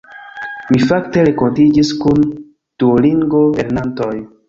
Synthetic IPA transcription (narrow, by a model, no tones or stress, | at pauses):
mifakte̞ɾe̞ko̞ntid͡ʒiskun | d̥uoliŋɡo̞eɾnanto̞j